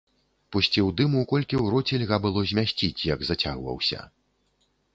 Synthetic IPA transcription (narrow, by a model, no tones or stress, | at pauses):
pusʲt͡sʲiwd̪ɨmukɔlʲkʲiwɾɔt͡sʲilʲɣabɨlˠɔzʲmʲasʲt͡sʲit͡sʲjɐɡzɐt͡sʲaɣvɐ̰wsʲɐ̰